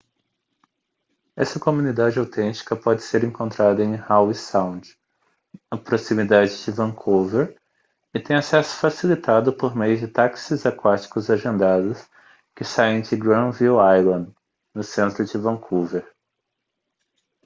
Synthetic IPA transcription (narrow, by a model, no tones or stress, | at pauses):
ɛsɐkomũnid̪ad͡ʒɪawt̪ẽnt͡ʃi̥kɐpɔd͡ʒɪseɾẽŋkõnt̪ɾad̪ɐẽj̃hawisãw̃d͡ʒ | ɐpɾosimid̪ad͡ʒɪd͡ʒɪvɐ̃kʰoveɾ | ɪt̪ẽj̃asɛsʊ̥fasilit̪ad̪ʊpoɾmejʊd͡ʒɪt̪aksɪzakwat͡ʃi̥kʊzaʒẽnd̪ad̪ʊs | kɪsajẽd͡ʒɪɡɾɐ̃viuajlɐ̃nd̪ | nʊsẽnt̪ɾʊd͡ʒɪvɐ̃kʰuveɾ